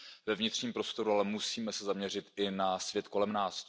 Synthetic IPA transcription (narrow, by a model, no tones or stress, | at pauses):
vɛvɲɪt̪r̥ɲiːmpɾo̞st̪o̞ɾualɛmusiːmɛsɛzamɲɛr̝ɪt̪ʔɪnasvjɛt̪ko̞lɛmnaːs